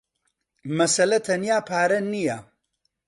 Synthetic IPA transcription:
mɐsɐlɐt̪ʰɐnjaːpʰaːɾɐnijɐ

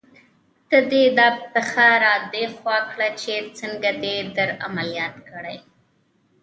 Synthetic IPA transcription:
d̪̥əd̪ed̪ɑpəxaɾɑd̪exwɑkɽat͡ʃet͡səŋɡad̪ed̪əɾamalijɑt̪kəɽaj

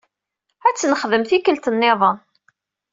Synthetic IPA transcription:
æt͡sːnəχðəmθikəlt̪ənːɪðˤən

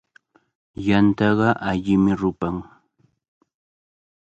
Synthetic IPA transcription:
jant̪ɑɢɑʔaʎɪmɪɾʊpaŋ

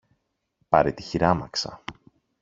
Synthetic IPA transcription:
pɐɾet̪i̥çiɾɐmɐksɐ̰

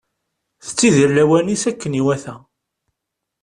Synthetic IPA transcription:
θə̥t͡sːiðiɾlæwænisækːəniwæθæ

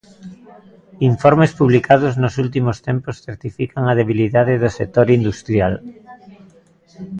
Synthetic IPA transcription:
iɱfɔɾmespuβ̞likʰað̞oznosult̪̬imost̪emposθeɾt̪ifikaŋað̞eβ̞iliðaðeðosek̚t̪oɾind̪ust̪ɾjal

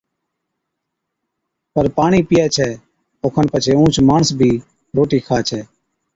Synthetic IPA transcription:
pəɾpaːɳiːpɪjɛːt͡ʃʰɛː | oːkʰənpət͡ʃʰeːũːt͡ʃmaːɳəsbʱiː | ɾoːʈiːkʰaːt͡ʃʰɛː

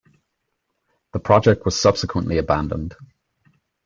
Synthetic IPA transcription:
ðəpʰɹ̥ɒd͡ʒɛk̚tʰwɒz̥sʌb̥sɪkʰwə̃nʔliəbãndə̰̃nd̥

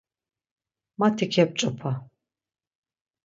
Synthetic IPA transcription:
mat̪ʰikʰap̚t͡ʃʼɔpʰa

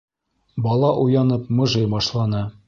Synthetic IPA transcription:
bɒlˠɑʔujɑnɤp̚mɤ̆ʒɤjbɒʃlˠɑnɤ

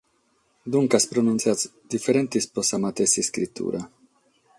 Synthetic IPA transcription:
d̪uŋkaspɾonunt̪sjat̪t͡s | d̪ifeɾent̪isposamat̪esiskɾit̪ʰːṵɾʔa

